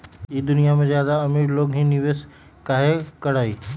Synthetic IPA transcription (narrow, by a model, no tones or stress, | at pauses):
iːd̪ʊnijamẽzjaːd̪aɐmiɾloːɡɦĩnɪʋeːs | kaːɦekɐɽaːiː